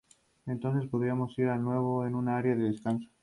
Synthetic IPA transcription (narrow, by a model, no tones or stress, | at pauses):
e̞nt̪o̞nθe̞spoð̞iamo̞siɾanwe̞β̞oenunaaɾjaðeðeskanso̥